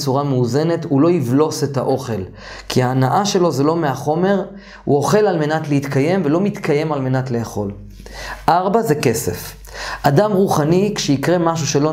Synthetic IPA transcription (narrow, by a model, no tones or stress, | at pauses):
t͡suʁameuze̞ne̞tulo̞ivlo̞se̞ta̰ʔo̞χe̞l | kiaːnaʔaʃe̞lo̞ze̞lo̞meaχo̞me̞ʁ | ṵo̞χe̞lalme̞natleit̪kaje̞mve̞lo̞mit̪kaje̞malme̞natleːχo̞l | ʔaʁbaze̞ke̞se̞̰f | adamʁuχanikʃeikʁemaʃ̬uʃelo̞